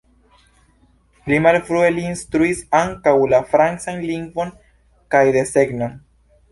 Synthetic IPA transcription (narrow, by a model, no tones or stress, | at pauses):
limalfɾue̞liːnst̪ɾuisaŋkawlafɾansanliŋɡvo̞n | kajd̪e̞se̞ɡnon